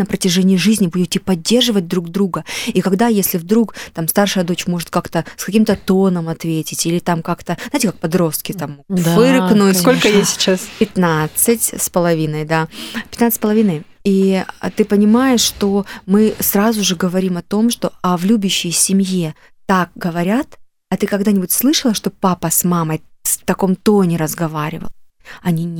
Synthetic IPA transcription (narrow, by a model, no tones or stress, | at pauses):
nəpɾətʲɪʐɛnʲɪɪʐɨzʲnʲɪbudʲɪt̪ʲɪpɐdʲːe̞rʐɨvət̚ʲd̪ɾuɡd̪ɾuɡəikɐɡd̪ajesʲlʲɪvd̪ɾukt̪amst̪arʂɨjəd̪o̞t͡ɕmo̞ʐɨt̪̚kakt̪əskɐkʲimt̪ət̪o̞nəmɐt̪vʲetʲɪtʲilʲɪt̪amkakt̪əznajtʲɪkak̚pɐd̪ɾo̞st̪kʲɪt̪amvɨɾɨknuskolʲkəjesʲɪ̥t͡ɕaspʲɪt̪nat̪sɨtʲspəlˠɐvʲinəjd̪apʲɪt̪nat̪sɨsʲpəlˠɐvʲinəj | iə̰t̪ɨpənʲɪmajɪʂʂt̪o̞mɨsrazʊʐɨɡəvɐɾʲimɐt̪o̞mʂt̪o̞ɐvlʲubʲʊɕːɪjsʲɪmʲje | t̪ak̚ɡəvɐɾʲat̪ | ɐt̪ɨkɐɡd̪anʲɪbʊtʲslˠɨʂəlˠəʂt̪o̞papəsmaməjst̪ɐko̞mt̪o̞nʲɪɾəzɡɐvaɾʲɪ̰və̰lˠ | ɐnʲi